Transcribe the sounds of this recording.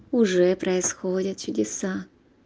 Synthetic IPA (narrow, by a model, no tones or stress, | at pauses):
ʊʐɛpɾʔɐɪsxodʲɪt̪̚t͡ɕʊdʲɪsa